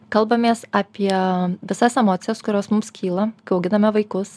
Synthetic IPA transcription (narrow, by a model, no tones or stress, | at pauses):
kɐlˠbɐmʲeːsɑːpʲiɛʋʲɪsɐsɛmoːt̪sʲɪjɛskʊɾʲoːsmʊmskʲʰiːlˠɐkɐʊɡʲɪnɐmʲɛʋɐɪkʊs